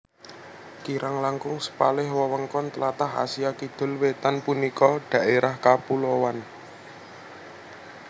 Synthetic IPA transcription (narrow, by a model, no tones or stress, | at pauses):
kiɾʔaŋlaŋkʊŋsə̥palɪhwɔwəŋkɔnt̪əlat̪aɦa̰siakid̪̥ʊ̤lwet̪anpunikɔɖ̥ä̤ʔeɾahkapulowan